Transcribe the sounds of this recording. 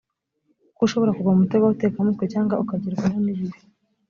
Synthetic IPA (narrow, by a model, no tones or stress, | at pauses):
kuʃo̞βo̞ɾakuɡwaumutoɡwawutekamuːtkwecaːŋɡaukaɟiɾɡananiβiɾi